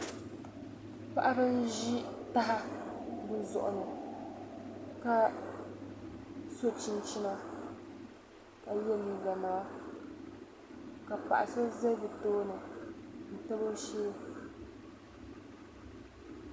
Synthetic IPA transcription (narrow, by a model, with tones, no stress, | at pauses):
pa˦ʔa˦ɾɨ˦n˦ʒi˦ta˦ɦa˦bɨ˨zɔ̰˨ʔʊ˨nɨ˨ | ka˦ | so˦t͡ʃi˦n˦t͡ʃi˦na˦ | ka˨jɛ˦˨ni˨za˨na˨la˦ | ka˨pa̰˨ʔa˨so˦ze˦vi˨toː˦nɨ˨n̩˨ta˦bo˦ʃe˦